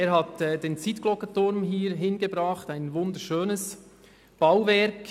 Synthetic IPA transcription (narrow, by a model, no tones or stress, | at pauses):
eːɾhɑtɛdeːnt͡sitklɔkətʊɾmɦiːɾɦɪnɡebɾɑːχtaɪnvʊnd̪əɾʃøːnəs | b̥awvɛɾk